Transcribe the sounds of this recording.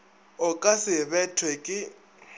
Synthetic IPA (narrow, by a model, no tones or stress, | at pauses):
ʊkʼasɪβɛtʰwɛkʼɪ